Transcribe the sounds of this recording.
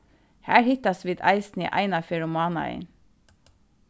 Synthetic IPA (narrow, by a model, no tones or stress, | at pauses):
hæːɹhɪt̪ɑsʋɪd̪æ̰ɪsn̩ḭːʔæ̰ɪnɑfɛɹʊmɑːnɑ̰ḛɪn